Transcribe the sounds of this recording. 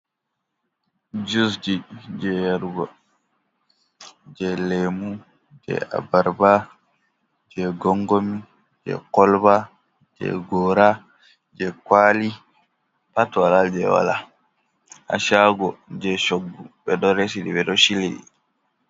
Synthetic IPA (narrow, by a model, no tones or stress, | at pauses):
d͡ʒus̬d͡ʒid͡ʒɛjaɾɡɔ | d͡ʒɛlemu | d͡ʒɛ̰a̰baɾba | d͡ʒɛɡɔŋɡomi | d͡ʒɛ̰kɔlba | d͡ʒɛ̰ɡɔɾa | d͡ʒɛkwaːli | patwalad͡ʒɛ̰wa̰la̰ | a̰ʃaɡɔd͡ʒɛʃoɡːuɓɛɗɔɾesiɗḭɓɛɗɔʃiliɗḭ